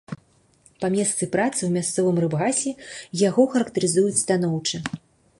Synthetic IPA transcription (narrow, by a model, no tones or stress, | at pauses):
pamʲɛst̪sɨpɾat̪sɨwmʲast̪sɔvɨmrɨbɣasʲɛjaɣɔxɐɾɐkt̪ɐɾɨzujut͡sʲst̪an̪ɔwt͡ʂɨ